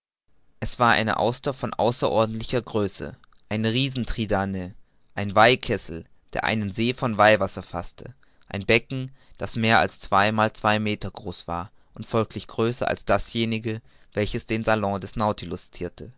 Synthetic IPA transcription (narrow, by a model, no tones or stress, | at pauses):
ʔɛsv̥aːɐʔa̰ɪnə̰ʔa̰ʊsd̥afɔnʔa̰ʊsɐʔɔɐdn̩tlɪçɐɡʁøːsə̰ | ʔaɪnəʁiːzn̩tʁ̥idaːnə | ʔaɪnvaɪkʰɛsl̩ | d̥ḛːɐʔa̰ɪnənzeːfɔnvaɪvasɐfastʰə | ʔaɪnbɛkŋ̩d̥asmeːɐa̰lst͡sv̥aɪmaːlt͡sv̥aɪmeːtɐɡʁoːsv̥a̰ːɐ | ʔʊntfɔlkʰlɪçɡ̥ʁøːsɐ̰ʔa̰lsd̥asjeːnɪɡə | v̥ɛlçəsd̥eːnzalɔ̃dɛsnaʊtʰilʊst͡sʰiːɐtʰə